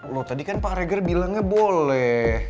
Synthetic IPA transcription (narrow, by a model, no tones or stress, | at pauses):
lot̪adikanpaɾeɡərbilaŋɲabolɛh